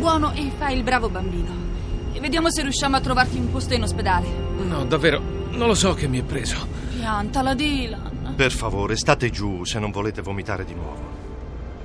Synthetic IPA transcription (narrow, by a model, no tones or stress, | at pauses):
bwɔːnoʔefːailbɾaːvobambiːno | evːed̪jaːmoserːjuʃːaːmoat̪ːɾovart̪iumpost̪oinosped̪aːlenɔd̪avːeːɾo | nonlosɔk̟ːemːiɛpːɾeːzo | ant̪alad̪ilanperfavoːɾest̪aːt̪ed͡ʒusenːoɱvoleːt̪evomit̪a̰ːɾed̪inwɔ̰ːvo̰